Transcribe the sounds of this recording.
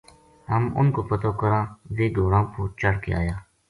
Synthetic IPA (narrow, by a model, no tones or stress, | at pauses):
həmʊ̰nkoːpət̪oːkəɾãːzeːɡ̪oːɾãːpuːt͡ʃəɽkḛa̰ːjaː